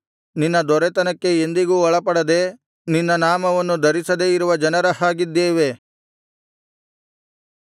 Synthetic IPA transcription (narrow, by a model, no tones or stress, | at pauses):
ninːɐd̪ɔɾɛt̪ɐnɐkːe̞end̪iɡuːɔɭɐpɐɽɐd̪e̞ | ninːɐnaːmɐʋɐnːud̪ʱɐɾisɐd̪eiɾuʋɐd͡ʒɐnɐɾɐɦaːɡid̪ːeːʋe̞